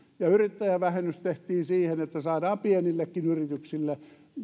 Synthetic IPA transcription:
jɑyrit̪ːæjæʋæhenːyst̪eht̪iːnsiːhenet̪ːæsɑːdɑːmpienilːekːinyrit̪yksilːe

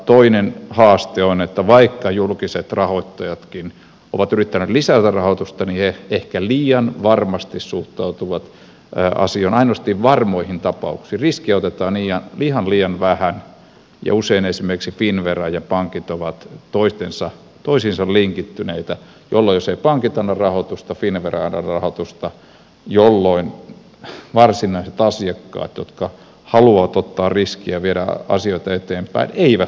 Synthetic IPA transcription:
t̪oinenhɑːst̪eonet̪ːæʋɑikːɑjulkiset̪rɑhoit̪ːɑjɑt̪kin | o̰ʋɑt̪yrit̪ːæneːt̪lisæt̪ærɑhot̪ust̪ɑniheehkæliːɑnʋɑrmɑst̪issuht̪ɑut̪uʋɑt̪ | ʔɑ̰sioinɑinost̪iʋʋɑrmoihint̪ɑpɑ̰ṵksiːriskiot̪et̪ɑːniːjɑnlihɑnliːɑnʋæhæn | jɑ̰useinesimerksifinʋerɑjɑpɑŋkit̪oʋɑt̪toist̪ensɑ | t̪oisinsɑlliŋkit̪ːyneit̪æ | jolːoijoseipɑŋkit̪ɑnːɑrɑhot̪ust̪ɑfinʋerɑnɑ̰rɑhot̪ust̪ɑ | jolːoin | ʋɑrsinɑiset̪ɑsiɑkːɑ̰ːt̪jo̰t̪kɑ | hɑluɑʋɑt̪ot̪ːɑːrriskiæʋiedæ̰ɑ̰sioit̪ɑet̪eːmpæ̰ineiʋæt

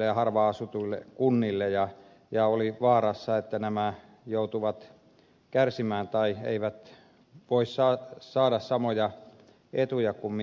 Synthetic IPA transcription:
ejɑhɑrʋɑɑsut̪uilːḛkunːilːejɑ | jɑoliʋɑːrɑsːɑet̪ːænæmæ | jout̪uʋɑt̪ | kærsimæːnt̪ɑiḛiʋæt̪ | ʋoissɑːsɑːdɑssɑmojɑ | et̪ujɑkumm

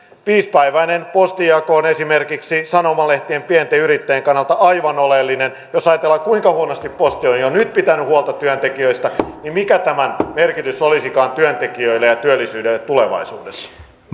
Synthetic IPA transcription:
ʋiːspæiʋæinenpost̪ijɑkoonesimerkiksisɑnomɑleht̪iempient̪eyɾit̪ːejeŋkɑnːɑlt̪ɑʔɑiʋɑnolelːinen | josɑjɑt̪elːɑkkuiŋkɑhuonost̪ippost̪ionjonyt̪̚pit̪ænyhuolt̪ɑtt̪yønt̪ekiøist̪ɑnimmikæt̪æmænmerkit̪ysolisikɑːnt̪yønt̪ekiøilːejɑt̪yølːˑisyːdelːet̪t̪uleʋɑ̰isṵːdesːɑ̥

